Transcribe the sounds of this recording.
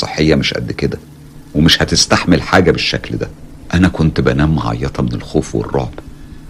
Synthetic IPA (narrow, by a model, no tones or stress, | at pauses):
ḛħːejːæmeʃʔæ̰d̪ːked̪æ | wemeʃhæt̪est̪aħmelħaːɡæbeʃːækld̪æ | ʔænækont̪bænæːmːɑʕɑ̰jːɑt̪ʰɑmenelxoːfwḛrˤːɑ̰ʕb̥